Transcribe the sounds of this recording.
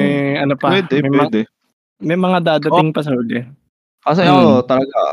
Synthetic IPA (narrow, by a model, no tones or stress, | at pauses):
ɛjɐnopɐwɛːd̪ɛmɐjmwɐd̪ɛ | mɐjmɐŋad̪aːd̪ɐɪŋpɐs̬ɐhod̪ɛ | ɐsɛt̪ɐlɐɡa